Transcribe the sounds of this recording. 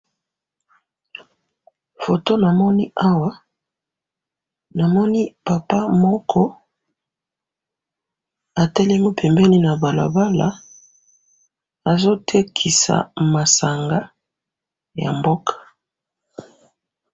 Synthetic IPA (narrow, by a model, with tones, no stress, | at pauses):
fo˨to˦na˨mɔ˦ni˦ʔa˦wa˦ | na˨mɔ˦ni˦pa˨pa˦mɔ˦kʰɔ˦ | a˨tɛ˦lɛ˦mo˦pʰɛ˨mbɛ˦ni˦na˨ba˨la̰˨ba˦la̰˦ | a˨zo˦tʰe˦kʰi˨sa̰˨ma˨sa˨ŋɡa˦ | ja̰˨mbo˦kʰḁ˨